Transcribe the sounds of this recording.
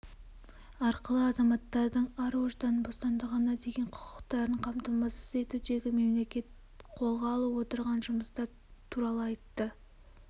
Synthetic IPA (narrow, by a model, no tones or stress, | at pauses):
ɑɾqəlˠəɑzɑmɑt̪ːɑɾd̪əɴɑɾwoʒd̪ɑnbo̞st̪ɑnd̪əʁənɑd̪e̞ɡʲe̞ɴqʰʊ̥qʊ̥qt̪ɑɾəɴqʰɑmt̪əmɑsəze̞t̪ud̪e̞ɡʲɪme̞mle̞kʲe̞t̪ | qʰo̞lˠʁɑːlˠəwo̞t̪əɾʁɑnʒʊməst̪ɑɾ | t̪ʰuɾɑlˠəɑjt̪ːə